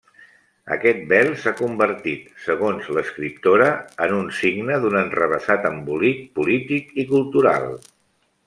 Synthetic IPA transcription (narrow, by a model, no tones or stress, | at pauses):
ə̰kɛt̪̚bɛlˠsakumbəɾt̪it̪səɣonzləskɾip̚t̪oɾəənunsiɡnəðunənrəβ̞əsat̪əmbulik̚pulit̪ikikulˠt̪uɾa̰lˠ